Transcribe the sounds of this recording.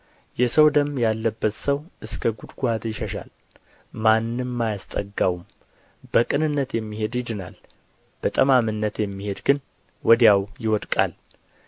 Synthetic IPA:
jɛsəwd̪əmjalːəbːət̪səwʔɨskʰəɡud̪ɡuat̪jɪʃəʃa̰l | manːɨmːajast̪ʼə̰ɡawum | b̥əkʼɨnɨnːət̪jɛmːihe̞d̪jɪd̪ɨna̰l | b̥ət̪ʼəmamɨnːət̪jɛmːihe̞d̪ɡɨn | wɔd̪jawjɪwɔd̪kʼa̰l

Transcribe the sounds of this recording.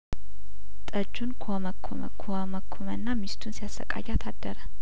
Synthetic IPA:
t̪ʼəd͡ʒːunkʰoməkʰːomə̰kʰo | məkʰːomənːamist̪ʰunsijasːə̰kʼa̰jat̪ʰad̪ːəɾə

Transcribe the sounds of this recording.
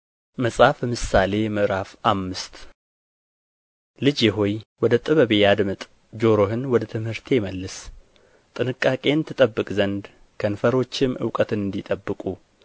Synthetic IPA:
məsʼafmɨsale̞jməʔɾafʔamːɨst̪ | lɨd͡ʒjɛɦo̞jwɔd̪ət̪ʼɨβəβejad̪mɨt̪ʼ | d͡ʒo̞ɾo̞ɦɨnwɔd̪ət̪ʰɨmhɨɾt̪ʰeməlːɨs | t̪ʼɨnɨkʼːakʼe̞nt̪ʰɨt̪ʼəbːɨkʼzənd̪ | kʰənfəɾo̞t͡ʃːɪmʔɨ̰wkʼət̪ɨnɨnd̪it̪ʼəbːɨkʼu

